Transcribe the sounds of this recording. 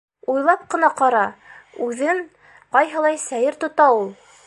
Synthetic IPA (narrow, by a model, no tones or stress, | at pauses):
ujlˠɑp̚qɤ̆nɑqɑɾɑʉðɘŋ | qɑjɦɤ̆lˠɑjsæjɘɾt̪ŏt̪ɑulˠ